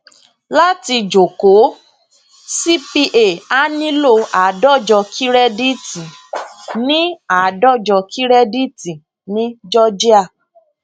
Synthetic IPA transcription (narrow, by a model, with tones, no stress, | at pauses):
la˦ti˧d͡ʒo˨ko˨˦ | si˦pi˧ʔe˦˨a˦nĩ˦lo˦˨a˨dɔ˦˨d͡ʒɔ˧kʰi˦ɾɛ˦di˦tĩ˨ | nĩ˦a˨dɔ˦˨d͡ʒɔ˧kʰi˦ɾɛ˦di˦ti˨ | nĩ˦d͡ʒɔ˦d͡ʒi˦a˦˨